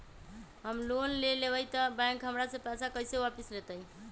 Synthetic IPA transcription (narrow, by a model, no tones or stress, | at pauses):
ɦəmlonleleβəjt̪əbãŋkɦəmɾasə̃pasakəjsewapislet̪əj